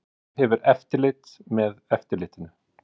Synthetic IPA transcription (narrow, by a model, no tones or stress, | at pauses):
hɛvʏɾɛft̪ɪlɪːt̪mɛðɛft̪ɪɾlɪːt̪ɪnʏ